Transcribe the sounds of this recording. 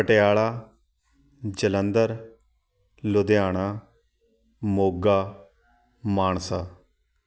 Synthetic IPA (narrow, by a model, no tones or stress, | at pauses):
pəʈejaːɭaː | d͡ʒələ̃nd̪əɾ | lʊd̪ejaːɽ̃aː | moːɡaː | maːɳ̃saː